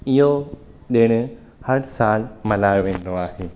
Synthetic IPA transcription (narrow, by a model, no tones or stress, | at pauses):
ɪɦo | ɗɪːɽ̃ | hɐɽsaːlmɐlaːjoʋẽːn̆d̪oaːɦeː